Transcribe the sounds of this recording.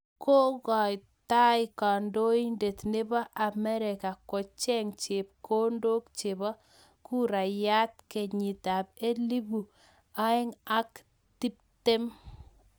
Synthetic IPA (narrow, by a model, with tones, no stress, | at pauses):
ko˦ɣɔ˨j | ta˦jka˨ndo˦i˦nde˨tne˦bɔ˦ʔa˨mɛ˦ɾe˨ka˨ko˨t͡ʃɛ˦ŋt͡ʃe˨p̚kʰo˦ndo˦k̚t͡ʃe˨bɔ˦ | ku˦ɾa˨ja˦t̚ke˨ɲi˨ta˨pe˦li˦bu˨ | a˦ɪ˦ŋa˦k | ti˦p̚te˦m